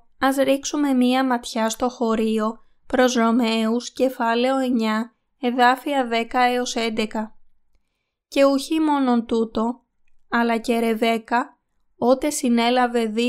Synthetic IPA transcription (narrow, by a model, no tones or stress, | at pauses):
ɐzɾiksume̞miɐmɐt̪çɐst̪o̞xo̞ɾio̞ | pɾo̞zɾo̞me̞usce̞fɐle̞o̞e̞ɲɐ | e̞ðɐfiɐðe̞kɐeo̞se̞nd̪e̞kɐ | ce̞uçimo̞no̞nt̪ut̪o̞ | ɐlɐce̞ɾe̞ve̞kɐ | o̞t̪e̞sine̞lɐve̞ði